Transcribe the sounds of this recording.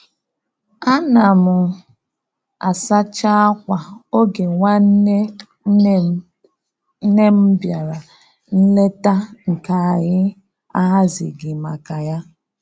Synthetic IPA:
a˦na˨mʊ˨ | a˨sa˦t͡ʃa˦a˦kʷa˨o˦ɡe˨ŋʷa˦n˦ | ne˦m̩˦bja˨ɾa˨ | n̩˦le˦ta˦ŋ̩˨ka˨a˨ɣɪ˦ | a˦ɦa˦zɪ̰˨ɡɪ˨ma˨ka˨ja˦

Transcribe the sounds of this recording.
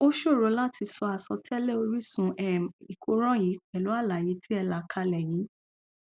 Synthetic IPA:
o˦ʃo˦˨ɾo˨˧˦la˦tʰi˧sɔ˧a˨sɔ˧tɛ˦lɛ˦o˧ɾi˦sũ˧ʔɛ˨i˨kʰo˧ɾ̃ɔ̃˦ji˨˦k͡pɛ˨lu˨˦a˦˨la˨ji˨˦tʰi˦ɛ˧la˨kʰa˧lɛ˨ji˨˦

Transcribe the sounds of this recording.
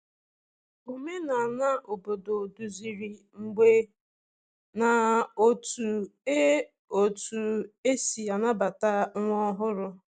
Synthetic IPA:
o˨me˦na˨na˦ʔo˨bo˨do˨du˨zi˨ɾi˨ŋ͡m̩˨ɡ͡be˦ | na˨o˦tu˨e˦ | o˨tu˨e˦si˨a˨na˦ba˨ta˦ŋɔ˦ɦʊ˦ɾʊ˦

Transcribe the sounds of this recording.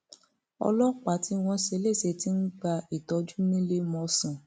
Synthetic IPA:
ɔ̰˧lɔ˦k͡pa˨˦ti˨˦w̃ɔ̃˧ʃe˧˦le˦˨se˧ti˧˦n̩˦ɡ͡ba˧i˨tɔ˨˧d͡ʒu˦nĩ˦le˧mɔ̃˧sã˨

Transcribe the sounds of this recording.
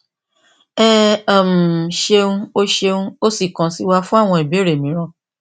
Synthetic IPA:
ɛ˦a˨m̩˨ʃe˧ũ˦o˧ʃe˧ũ˧o˦si˦˨kã˨si˨˦wa˧fũ˦a˦˨w̃ɔ̃˧i˨be˨˦˨ɾe˨mĩ˨˦ɾ̃ɔ̃˧

